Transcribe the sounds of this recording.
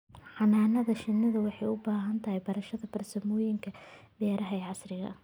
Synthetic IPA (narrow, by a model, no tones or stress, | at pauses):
ħɑnaːnɐðɐʃɪnːɐðɐwɑħɑjʊbaːɦɐnt̪ʰɐɦɛjbɐɾɐʃɐðɐbɐrsɐmɔːjɪŋkʰɐbɛːɾɐɦɐɛʕɑsrɪɣɐ̰